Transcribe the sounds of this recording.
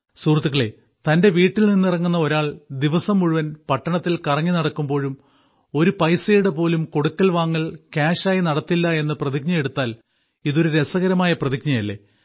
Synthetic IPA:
suːrt̪ːiɣɐɭe | t̪ɐnde̞ʋiːʈːilninːirɐŋːunːɐo̞ɾaːɭd̪iʋɐsɐmːuɻuʋɐnpɐʈːɐɳɐt̪ːilkɐrɐŋːinɐɽɐkːumbo̞ːɻum | o̞ɾupɐjsejuɽepo̞ːlumko̞ɽukːɐlʋaːŋːɐlkaːɕaːjinɐɽɐt̪ːilːɐe̞nːɨprɐðik̚ɲɐje̞ɽut̪ːaːl | iðo̞ɾuɾe̞sɐɣɐɾɐmaːjɐprɐðikɲɐjɐlːe̞̰ː

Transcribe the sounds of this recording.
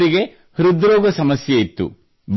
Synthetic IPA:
ɾiɡe̞ | hɾud̪ɾɔːɡɐsɐmɐsjɐit̪ːṵ | b

